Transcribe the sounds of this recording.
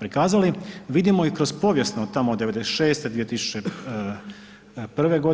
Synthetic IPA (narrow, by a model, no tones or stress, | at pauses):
pɾikaːzaliʋid̪imoikɾo̞zpo̞ːʋje̞snot̪amod̪ːe̞ʋe̞d̪esʃe̞ːst̪ed̪ʋie̞t̪isu̥t͡ʃe | pr̩ʋe̞ɡo̞d̪